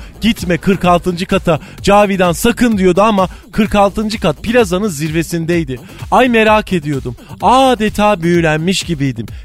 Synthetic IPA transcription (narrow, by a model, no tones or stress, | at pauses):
ɟ̥it̪mɛkʰɯɾkalˠt̪ɯnd͡ʒɯkat̪ʰa | d͡ʒaːvid̪ænsakʰɯnd̪ijo̞d̪uamakʰɯɾkalˠt̪ʰɯnd͡ʒɯkat̪̚pʰilʲazanɯnziɾve̞sind̪ejd̪ɪ | ajme̞ɾacʰe̞d̪ijo̞d̪umaːd̪et̪ʰaːbyjlʲænmiʃɟibijd̪im